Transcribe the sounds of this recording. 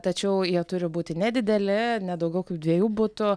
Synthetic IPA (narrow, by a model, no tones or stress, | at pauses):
t̪ɐt͡ʃʲɛʊjiɛt̪ʊɾʲɪbuːt̪ʲɪnʲɛd̪ʲɪd̪ʲɛlʲɪnʲɛd̪ɐʊɡʲɛʊkɐɪp̚d̪ʲʋʲiɛjuːbʊt̪ʊ